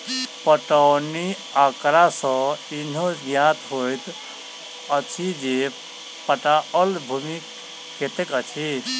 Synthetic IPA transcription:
pəʈəwni | akɾasə̃in̤õɡjat̪ɦojt̪ | ət͡ʃʰid͡ʒe | pəʈaəlbʱumikː | et̪ekət͡ʃʰi

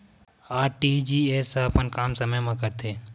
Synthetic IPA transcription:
aːɾʈid͡ʒiːesaɐpənkaːmsɐməjmãkəɾt̪ʰeː

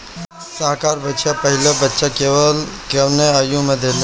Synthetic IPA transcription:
səɦkaɾbətːʃapəɦiləbətːʃakeʋəlkeʋnẽəjũmə̃d̪ʱel

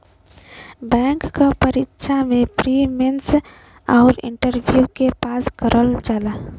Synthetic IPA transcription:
bɛːŋkːapəɾitːʃʰamẽpɾimens | aʊɾɪ̰ɳʈəɾbʱjukepaːskəɾʔəld͡ʒaːla

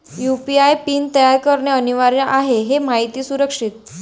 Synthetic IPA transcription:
jupiajpiːnt̪əjaɾkəɾɳjeəniʋaɾjaʔaɦeɦemaɦit̪iːsuɾəkʂit̪

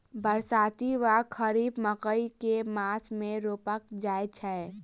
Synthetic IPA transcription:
bəɾsaːt̪iʋakʰəɾiːbməkəikemaːsmẽɾoːpəkd͡ʒaːjt͡ʃʰɛ

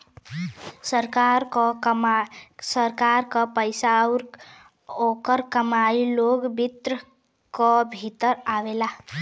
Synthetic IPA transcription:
səɾkaɾkɔ | səɾkaɾkɔpəjsaɾ | okəɾkəmailoɡbit̪ɾə | kɔbʱit̪əɾaʋela

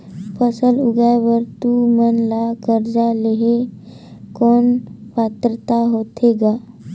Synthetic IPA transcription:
pəsəluɡajʋəɾt̪umənlakəɾd͡ʒaleɦe | kɔːnpat̪ɾət̪aɦot̪ʰeɡa

